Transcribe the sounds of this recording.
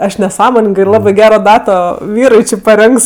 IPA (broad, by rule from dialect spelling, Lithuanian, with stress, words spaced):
ˈɐʃ nʲɛˈsɑːmoːnʲɪŋɡɜ ɪr ˈlˠɑːbɜ ˈɡʲæːroː ˈdɑːtoː ˈʋʲiːrʊɪ ˈt͡ʃʲɪ pɐˈrʲɪŋks